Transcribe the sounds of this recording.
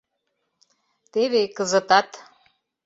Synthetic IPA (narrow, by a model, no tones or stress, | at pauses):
t̪eβekʼɨzɨt̪ʼat̪ʼ